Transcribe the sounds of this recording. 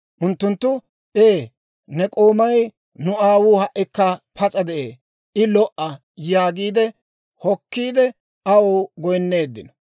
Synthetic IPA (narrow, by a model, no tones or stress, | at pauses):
ʔʊnt̪ːʊnt̪ːʊ | ʔeː | nɛkʼoːmɐj | nʊaːwuːhɐʔɪkːɐpʰɐt͡sʼɐd̪ɛʔḛː | ɪlɔʔɐ | jaːɡiːd̪ɛ | hɔkːiːd̪ɛ | ɐwoːɡɔjnːe̞ːd̪ːɪnɐ